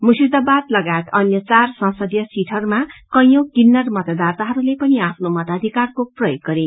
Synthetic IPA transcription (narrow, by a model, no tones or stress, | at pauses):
musid̪abad̪lʌɡaet̪ʌnjʌt͡sarsʌ̃sʌd̪jʌsiʈʰʌrmakʌjʌ̃wkinːʌrmʌt̪ʌd̪art̪aɦʌɾulepʌniapʰnomʌt̪ad̪ʱikarkoprʌjoɡːʌɾe